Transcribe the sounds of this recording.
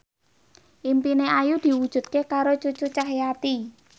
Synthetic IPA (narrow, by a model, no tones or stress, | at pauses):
ʔimpineʔajud̪̥i̤wud̥ʒ̥ṳt̪̚kekaɾot͡ʃut͡ʃut͡ʃaɦjat̪i